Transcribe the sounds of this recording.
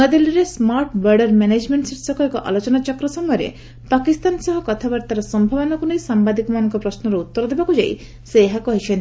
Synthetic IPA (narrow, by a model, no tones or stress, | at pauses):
ad̪iliɾesmaɾʈbəɾɖɔɾmened͡ʒmeɳʈseʈsɔkɔekɔʔa̰lot͡ʃɔnat͡ʃɔkɾɔsɔmɔjɔɾḛ | pakist̪ansɔɦɔkɔt̪ʰabaɾt̪aɾɔsɔmbʱabɔnɔkunejsambad̪ikɔmanɔŋkɔpɾɔsnɔɾɔut̪ːɔɾɔd̪ebakud͡ʒaj̰ | seːɦakɔɦit͡ʃʰɔn